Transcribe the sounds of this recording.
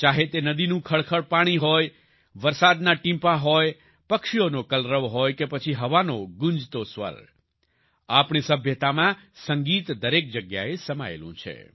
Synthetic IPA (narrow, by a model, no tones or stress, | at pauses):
t͡ʃaɦet̪enəd̪inũkʰəɭkʰəɭpaɽ̃iɦoj | ʋəɾsad̪naʈĩmpaɦoj | pəkʃijonokəlɾəʋɦojkepət͡ʃʰiɦəʋanoɡʊ̃ɲd͡ʒt̪osʋə̰ɾ | apɳ̃isəbʱjət̪amãsəŋɡit̪d̪əɾek̚d͡ʒəɡja̰esəma̰ḛlṵ̃t͡ʃʰḛ